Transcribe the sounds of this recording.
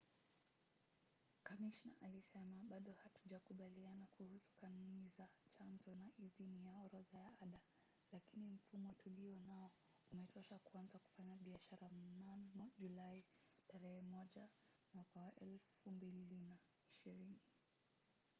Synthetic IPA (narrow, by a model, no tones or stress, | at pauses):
kamiʃna̰ʔalisɛmaɓaɗɔhatuʄakuɓalianakuhusu̥kanunizat͡ʃanzɔnaʔiðinijaɔɾɔðajaaɗa | lakinim̩fumɔtuliɔnaɔ | umɛtʰɔʃakuanzaku̥faɲaɓiaʃaɾamnanmɔʄulai | taɾɛhɛmɔʄa | mwakawaʔɛlfumbillina | iʃiɾini